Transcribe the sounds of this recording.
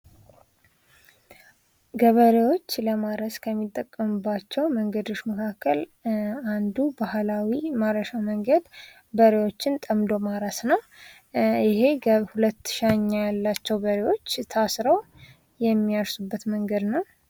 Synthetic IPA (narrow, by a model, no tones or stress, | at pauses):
ɡəβəɾewo̞t͡ʃːləmaɾəskʰəmːit̪ʼːəkʼːəmɨbːat͡ʃːɛwməŋɡəd̪o̞ʃməkʰakːəland̪ubahlawimaɾəʃaməŋɡəd̪ | bəɾewo̞t͡ʃːɪnt̪ʼəmd̪o̞maɾasnəw | ɪɦe̞hulət̪ːʃaɲːajalːat͡ʃːɛwbəɾewo̞t͡ʃːt̪ʰasɾəw | jɛmːijaɾsubːət̪məŋɡəd̪nəw